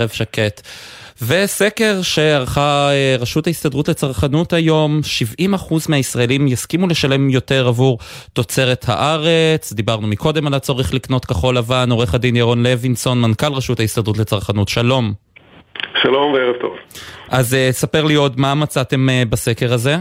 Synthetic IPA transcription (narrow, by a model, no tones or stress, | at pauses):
ʁevʃaketve̞se̞ke̞ʁʃe̞aʁχaeʁaʃuthaistadʁutlet͡saʁχanutajo̞mʃivimaχuzmehaisʁaelimjaskimule̞ʃale̞mjo̞te̞ʁavuʁ | to̞t͡se̞ʁetha̰ʔaʁet͡sd̪ibaʁnumikʰo̞de̞malat͡so̞ʁiχlikno̞tkaχo̞lavanoʁeχadinjaʁo̞nle̞vinso̞nmankalʁaʃuthaistadʁutle̞t͡saʁχanutʃalo̞m | ʃalo̞mveeʁevt̪o̰vʔazesape̞ʁlio̞dmamat͡sate̞mbase̞ke̞ʁaze̞